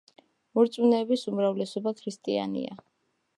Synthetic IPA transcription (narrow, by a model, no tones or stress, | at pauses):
muɾt̪sʼunɛːbisumɾavlɛsɔbakʰɾist̪ʼia̰nḭa